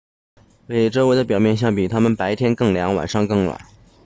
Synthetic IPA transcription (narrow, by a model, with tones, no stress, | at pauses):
we˥˩ɪʈ͡ʂɤ˥ʊwe˧˥ɪd̪ə˧p̬jɑ˨˩ʊmjɛ˥˧nɕjɑ˥˩ŋpi˨˩t̪ʰa˥mə˨npa˧˥ɪt̪ʰjɛ˥nkɤ˥˩ŋljɑ˧˥ŋwa̰˨˩nʂɑ˥˧ŋkɤ˥˩ŋwa̰˨˩˦n